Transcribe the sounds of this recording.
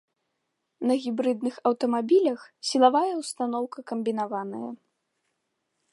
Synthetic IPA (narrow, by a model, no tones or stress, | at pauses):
nɐɣʲibɾɨd̪nɨxɐwt̪ɐmabʲilʲɐxsʲilˠavajɐwst̪an̪ɔwkɐkɐmʲbʲin̪avanɐjɐ̰